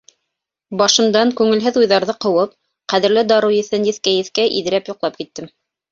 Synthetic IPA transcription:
bɑʃɤ̆nd̪ɑŋkʉŋɘ̆lɦɘðujðɑɾðɤqɤ̆wɤp̚ | qæðɘ̆ɾlɘd̪ɑɾujɘ̆θɘnd̪iθkæjɘ̆θkæʔiðɘ̆ɾæpjuqlˠɑp̚kit̪ːɘm

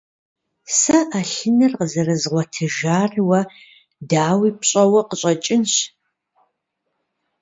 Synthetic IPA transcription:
sɐʔaɬɨnɐrqəzɐrɐzʁʷɔtʰɨʒaːrwɐ | daːwiːpɕʼɐwɐqəɕʼɐt͡ʃʼɪnɕ

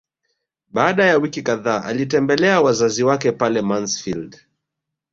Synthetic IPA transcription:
ɓaːɗajawikikaðaːʔa̰litɛmbɛlɛawazaziwakɛpalɛmansfild

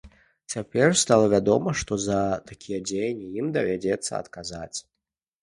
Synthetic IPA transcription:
t͡sʲapʲɛrst̪alˠɐvʲad̪ɔmɐʂt̪ɔzɐt̪akʲʰijɐd͡zʲejɐnʲijimd̪ɐvʲad͡zʲɛt̪sːɐ̰ɐ̰t̪kazat͡sʲ

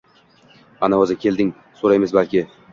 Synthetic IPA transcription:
anaozɪkʲʰe̞ld̪ɪŋ | soɾajmɪzbalkʲɪ

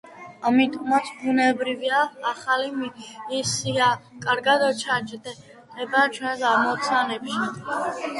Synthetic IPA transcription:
amit̪ʼɔmat̪sʰbunɛbɾiviaːχalimiisiakʼaɾɡad̪ɔt͡ʃʰad͡ʒd̪ɛ | d̪ʼɛbat͡ʃʰwɛnsamɔt̪sʰanɛpʃi

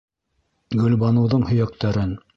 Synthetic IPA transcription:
ɡɵ̆lβɑnɤ̆wðɤɴhɵ̆jæk̚t̪æɾɘn

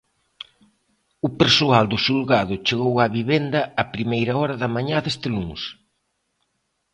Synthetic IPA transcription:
ʊpeɾsoald̪ʊsulɣaðʊt͡ʃeɣowaβiβend̪ɐːpɾimejɾɐɔɾɐðɐmaɲaðest̪ɪluŋs

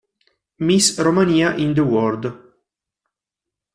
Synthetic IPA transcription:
misromaniːaʔind̪əwɔrd̪

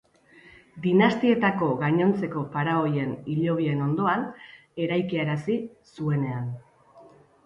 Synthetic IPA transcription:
d̪inast̪ie̞t̪ako̞ɣaɲo̞nt͡se̞ko̞paɾao̞je̞niʎo̞β̞ie̞no̞nd̪o̞an | e̞ɾajkiaɾasisue̞ne̞an

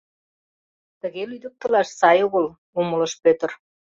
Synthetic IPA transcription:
t̪ə̆ɣelyd̪ə̆p̚t̪ə̆lɑʃsɑjoɣəl | oməlɤ̆ʃpøt̪ə̆r

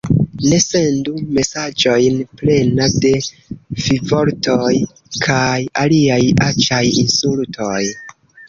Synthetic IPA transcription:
ne̞se̞ndume̞sad͡ʒo̞jnple̞nade̞ | vivo̞ɾtʰoj | kʰajaliajat͡ʃajinsultʰoj

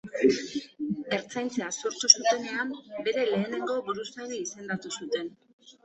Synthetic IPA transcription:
e̞ɾt͡sajnt͡se̞asuɾt̪usut̪e̞ne̞ambe̞ɾe̞le̞ːne̞ŋɡo̞βuɾusajnaise̞nd̪at̪usut̪e̞n

